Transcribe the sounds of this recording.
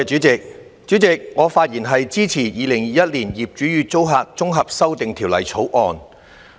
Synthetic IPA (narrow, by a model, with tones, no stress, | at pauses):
t͡ʃyː˨˥t͡sɪ˨k̚ | t͡ʃyː˨˥t͡sɪ˨k̚ŋɔː˨˧faː˧t̚jiː˨˩nɦɐ˨jt͡siː˥t͡sʰiː˨˩jiː˨˧lɪ˨˩ŋjiː˨jɐ˥t̚liː˨˩njiː˨p̚t͡ʃyː˨˥ɥyː˨˧t͡so˥wɦaː˧k̚t͡sʊ˥ŋɦɐ˨p̚sɐ˥wt̪ɪ˨ŋt̪ʰiː˨˩wlɐ̰˨˩jt͡sʰo˨˥wʔɔː˨˧n